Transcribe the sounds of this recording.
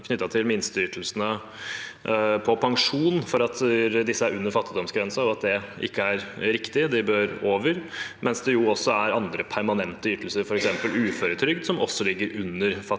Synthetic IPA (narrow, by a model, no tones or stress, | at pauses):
kʰnʏt̪ːɑt̪ʰɪlmɪnst̪ʏt̪l̩sənə | pʰɔpʰɑŋʂuːnfɔɾɑt̪d̪ɪsːəæɾʉnːəɾfɑt̪ːɪd̪ɔmsɡɾɛnsɑɔɑt̪̚d̪ɛʔɪ̰kːəæɾɾɪkt̪ɪd̪ɪbøːɾoːʋəɾmʔɛnsd̪ɛjʊɔsːɔæɾɑnd̪ɾəpʰæɾmɑnɛnt̪əʏt̪ːl̩səɾfɔɾɛksɛmpəlʉːføːɾət̪ʰɾʏɡd̪sɔmɔ̰sːɔlɪɡːəɾʉnːəɾfɑ